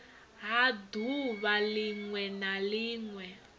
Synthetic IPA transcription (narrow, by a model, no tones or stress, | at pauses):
ɦaduβaliŋwɛnaliːŋwɛ